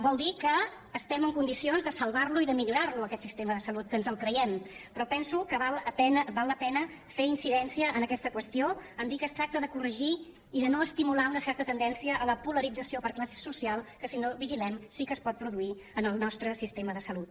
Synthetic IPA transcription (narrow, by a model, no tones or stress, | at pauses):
bɔlˠd̪ikəː | st̪ɛməŋkund̪isionzðəsəlˠβarluiðəmiʎuɾarluəkɛt̪sist̪eməðəsəlut̪̚kənzəlˠkɾəjɛmpɾɔpɛnsukəβalˠəpɛnəbalˠːəpɛnə | feinsiðɛnsiəʔːnəkɛst̪əkwəst̪ioəmd̪ikəːst̪ɾak̚t̪əðəkurəʒiː | ðənoəst̪imulaunəsɛɾt̪ət̪ənd̪ɛnsiəʔːləpuləɾid͡zəsiopəɾklase̥susialˠkəsinoβiʒilɛmsikəːspɔt̪̚pɾuðui | ənəlˠnɔst̪ɾəsist̪eməðəsəlut̪̚